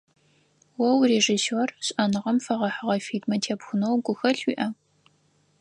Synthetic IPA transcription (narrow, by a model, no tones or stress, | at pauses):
wɐwreʒisorɕʼɐnɨʁɐmfɐʁɐħəʁɐfiːdmɐtʰeːpxʷʊnowɡʷʊxɐɬwiːʔɐ